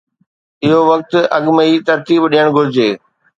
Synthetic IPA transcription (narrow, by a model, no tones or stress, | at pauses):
ɪɦoʋɐk̚t̪ʔɐɠməit̪ɐɾt̪iːbɗijəɽ̃ɡʱʊɾɪd͡ʑeː